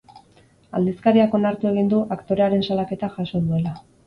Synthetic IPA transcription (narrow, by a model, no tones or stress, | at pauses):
a̰ld̪iskaɾiako̞naɾt̪ue̞ɣ̞ind̪uʔakt̪o̞ɾe̞aɾe̞nsalake̞t̪aʝaso̞ðue̞la